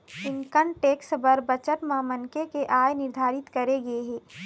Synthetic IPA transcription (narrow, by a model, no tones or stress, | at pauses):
ɪ̃ŋkəɳʈeːksbəɾbɐt͡ʃəʈmãmɐnkekeʔaːjnɪɾd̪ʱaːɾɪt̪kɐɾeɡɐeɦɛ̃ː